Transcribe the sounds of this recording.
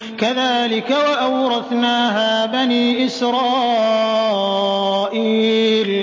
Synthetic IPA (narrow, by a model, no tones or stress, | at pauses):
kaðaːlɪkawaʔawɾˤɑd̪naːɦaːbaniːʔɪsɾɑː | ʔiːl